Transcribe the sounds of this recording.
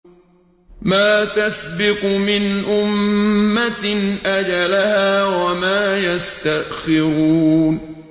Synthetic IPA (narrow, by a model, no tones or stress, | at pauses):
maːt̪asbɪqmɪnʔʊmːatnʔad͡ʒalahaːwamaːjast̪aʔxɪɾuːn